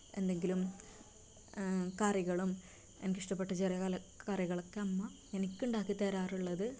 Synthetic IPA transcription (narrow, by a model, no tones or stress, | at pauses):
e̞̰nd̪e̞ŋɡilum | kaːrjɐɣɐɭum | enkiʂʈɐpːeʈːɐt͡ɕerijɐɐlɐkaːrjɐɣɐɭokːeɐmːɐ | enikʲːuɳɖaːkːit̪eːɾaːruɭːɐðɨ